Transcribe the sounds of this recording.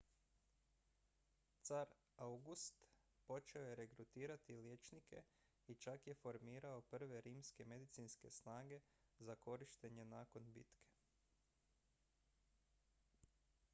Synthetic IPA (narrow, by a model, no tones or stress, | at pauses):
t̪saɾ | auɡust̪ | po̞t͡ʃe̞o̞je̞ɾe̞kɾut̪iːɾat̪iljet͡ʃnikʰe̞̰ | it͡ʃakje̞fo̞ɾmiːɾao̞pr̩ʋe̞ɾiːmske̞med̪it̪siːnske̞snaːɡe̞ | zako̞ɾiʃt̪e̞ɲe̞naːko̞nbḭt̪kʰe̞̥